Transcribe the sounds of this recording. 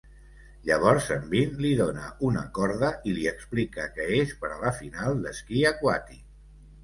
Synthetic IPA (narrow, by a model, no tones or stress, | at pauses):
ʎəβ̞ɔɾzəmbinliðonə̰unəkɔɾðəʔiliəksplikəkɛespəɾaləfinalˠd̪əskiəkwat̪i